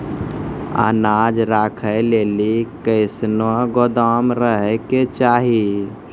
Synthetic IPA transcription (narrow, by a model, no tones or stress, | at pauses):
a̰ːnad͡ʒɾakʰəlelikəɪsnoɡod̪amɾəɦɛket͡ʃaɦi